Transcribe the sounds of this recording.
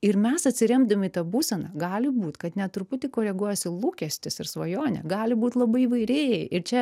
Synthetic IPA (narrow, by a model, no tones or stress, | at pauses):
ɪɾmʲɛsɐt̪ʲsʲɪɾʲɛmd̪ɐmʲɪit̪ɐbuːsʲɛnɐɡɑːlʲɪbuːt̪kɐt̪nʲɛt̪ɾʊpʊt̪ʲɪkoːɾʲɛɡuɔjɛsʲɪlˠuːkʲɛsʲt̪ʲɪsɪɾsʋɐjoːnʲɛ̰ɡɑːlʲɪbuːt̪lˠɐbɐɪiʋɐɪɾʲeːjɛɪɪɾt͡ʃʲɛ